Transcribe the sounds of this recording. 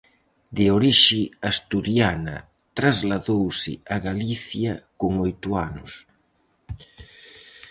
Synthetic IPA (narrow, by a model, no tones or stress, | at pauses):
d̪ɪoɾiʃɪast̪uɾjanɐ̰ | t̪ɾazlaðowsɪ̰aɣaliθjakoŋojt̪uanʊ̰s